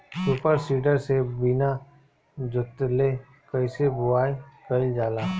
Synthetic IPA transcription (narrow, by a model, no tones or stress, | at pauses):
suːpəɾsiːɖəɾsebɪna | d͡ʒʊt̪le | kəɪsebʊaːekəɪld͡ʒaːlaː